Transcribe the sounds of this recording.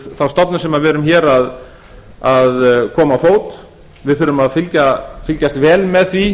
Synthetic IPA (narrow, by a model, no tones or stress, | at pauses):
θawst̪ɔt̪nʏ̥sɛmavɛːɾʏmçɛːɾað | aðkʰɔːmawfoːwt̪ | vɪðθʏːɾʏmaðfɪlcafɪlcast̪vɛːlmɛðθvi